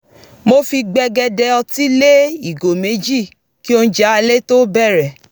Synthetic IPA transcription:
mo˦fi˧ɡ͡bɛ˧ɡɛ˧dɛ˧ɔ˧ti˦le˦i˦˨ɡo˨me˨˦d͡ʒi˦˨ | ki˦o˧n̩˦d͡ʒa˨˦a˧le˦to˦bɛ˦˨ɾɛ˨

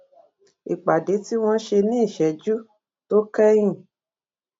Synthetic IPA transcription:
i˨k͡pa˨de˨˦ti˦w̃ɔ̃˦ʃe˧nĩ˦i˦˨ʃɛ˨d͡ʒu˦ | to˦kɛ˦j̃ĩ˦˨

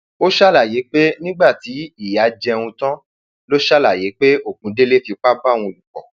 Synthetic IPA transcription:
o˦ʃa˦la˦˨je˨˦k͡pe˦nĩ˦ɡ͡ba˦˨ti˨˦i˦˨ja˨˦d͡ʒɛ˧wũ˧tã˦ | lo˦ʃa˦la˦˨je˨˦k͡pe˦o˦˨kũ˨˦de˦le˦fi˧k͡pa˦bã˦˨ũ˧o˧lu˨k͡pɔ̰˨

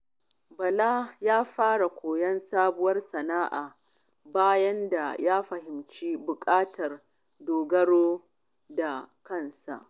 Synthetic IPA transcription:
bɐ˨la˦jaː˦ɸaː˦ɽa˨kʷoː˨jɐ˦nsaː˦bʊ˦wɐ˦rsɐ˨naː˦ʔaː˨ | baː˦jɐ˦nda̰˨jaː˦ɸɐ˨hɪ˨mt͡ʃi˦bʊ˨kʼaː˦tʰɐ˨r | doː˨ɡɐ˦ɽoː˦ | da˨kɐ˦˨nsa̰˨ʔ

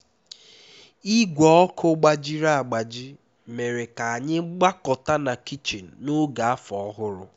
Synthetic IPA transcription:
i˦ɡʷɔ˨˦ɔ˦kʰʊ˦ɡ͡ba˨d͡ʒi˦ɾa˦a˨ɡ͡ba˨d͡ʒi˦ | me˨ɾe˨ka˨a˨ɲɪ˦ɡ͡ba˦kɔ˨ta˦na˨ki˦t͡ʃi˨n̩˨nʊ˦ɡa˨a˦fɔ˨ɔ˦ɦʊ˦ɾʊ˦

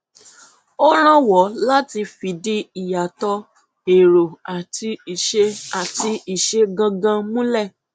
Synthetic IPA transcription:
o˦ɾ̃ã˦wɔ˨˦la˦ti˧fi˨˦di˧i˨ja˨tɔ˧ | e˨ɾo˨a˨ti˧˨ʃe˦a˨ti˧i˨ʃe˧ɡã˧ɡã˧mũ˦lɛ˦˨

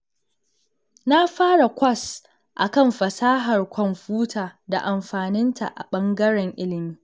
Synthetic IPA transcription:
na˦ɸaː˦ɽa˨kʷɐ˦˨s | ʔa̰˨kɐ˦˨mɸɐ˨saː˦ɦɐ˨rkʷɔ˨mɸuː˦tʰaː˨da˨ʔa˨mɸaː˨nɪ˦ntʰa̰˨ʔa̰˨ɓɐ˦ŋɡɐ˦ɽɛ˨ŋʔɪ˦lɪ˨miː˦

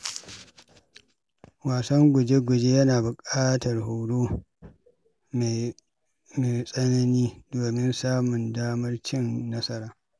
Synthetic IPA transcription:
waː˨sɐ˦ŋɡʷʊ˨d͡ʒe˦ɡʷʊ˨d͡ʒe˦jɐ˦naː˨bʊ˨kʼaː˦tɐ˨rɦo˨wɽoː˦ | me˨ | me˨sʼɐ˦nɐ˦niː˦doː˨mɪ˦nsaː˦mʊ˨ndaː˦mɐ˦rt͡ʃɪ˦nːɐ˦sɐ˦ɾaː˨

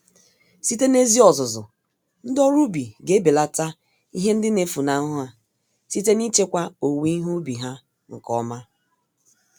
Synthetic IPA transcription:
si˦te˦ne˦zi˦ɔ˨zʊ˨zʊ̰˨ | n̩˦dɔ˦ɾu˦bi˨ɡe˦be˨la˦ta˦ | i˦ɦe˦n̩˦dɪ˦ne˨˦fu˨na˦ɦʊ˦ɦa˨ | si˦te˦ni˦t͡ʃe˦kʷa˦o˨wi˦ɦu˦bi˨ɦa˦ | ŋ̩˨kɔ˦ma˦

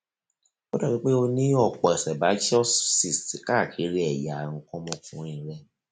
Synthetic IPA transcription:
ɔ˦da˦˨wĩ˨˦k͡pe˦o˧nĩ˦ɔ˦˨k͡pɔ˨ɛ˨sɛ˨ba˨˦d͡ʒɔ˦ssi˨stka˦˨kʰi˨˦ɾi˦ɛ˨ja˨ŋ̩˧kɔ̃˦mɔ̃˧fũ˦ĩ˧˨ɾɛ˦

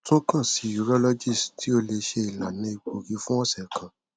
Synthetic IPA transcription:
tũ˦kã˦˨si˨˧ju˨ɾɔ˦lɔ˦d͡ʒi˦˨sti˨˦o˧le˧ʃe˧i˨la˨nã˨˦i˨k͡po˧ɡi˧fũ˦ɔ̃˦˨sɛ˨kʰã˨

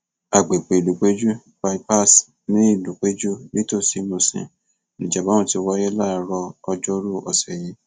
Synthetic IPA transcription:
a˨ɡ͡be˨k͡pe˨lu˨k͡pe˦d͡ʒu˦ | ba˧i˦pa˦˨s | nĩ˦i˦˨lu˨k͡pe˦d͡ʒu˦nĩ˦to˦˨si˧mũ˧˨sḭ̃˨ | nĩ˨d͡ʒa˨ba˨˦wɔ̃˦˧˨ti˧wɔ˧˦jɛ˦la˦˨ɾɔː˧d͡ʒɔ˦ɾu˦ɔ˧˨sɛ˨je˨˦

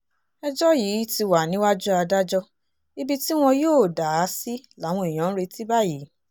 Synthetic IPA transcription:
ɛ˧d͡ʒɔ˦jiː˨˦ti˧wa˨nĩ˨˦wa˦d͡ʒu˦a˧da˦d͡ʒɔ˧ | i˧bi˦ti˦w̃ɔ̃˧joː˦˨da˨˦si˦la˨˦w̃ɔ̃˧i˨j̃ã˨˦ñ̩˦ɾe˧ti˦ba˦˨ji˨˦

